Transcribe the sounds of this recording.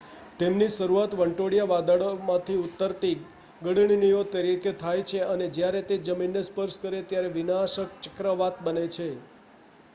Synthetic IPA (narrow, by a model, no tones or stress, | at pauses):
t̪emniʃəɾuat̪ʋəɳʈoɽijaʋad̪aɭomãt̪ʰiut̪ːəɾt̪i | ɡəɽɳinijot̪əɾiket̪ʰajt͡ʃʰeəned͡ʒjaɾet̪ed͡ʒəminːespəɾskəɾet̪jaɾeʋinaʃək̚t͡ʃəkɾəʋat̪bənet͡ʃʰe